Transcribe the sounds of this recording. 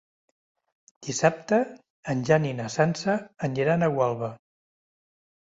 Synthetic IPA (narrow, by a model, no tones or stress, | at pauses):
d̪̥isap̚t̪əː | nʲʒaninasansəːnd͡ʒiɾanəɣwalˠβə